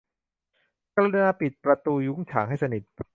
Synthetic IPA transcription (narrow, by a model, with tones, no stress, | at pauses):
kʰa˧ɾa˧naː˧pi˨˩t̪̚pɾa˧t̪uː˧ju˦˥ŋt͡ɕʰa̰ː˩˦ŋɦa˥˩jsa˧ni˨˩t̪̚